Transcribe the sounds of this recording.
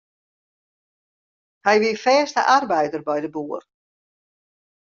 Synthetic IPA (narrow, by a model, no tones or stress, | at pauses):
hɛjʋiəfɛːstə̰ʔarbɛjdərbɛjdəbuːər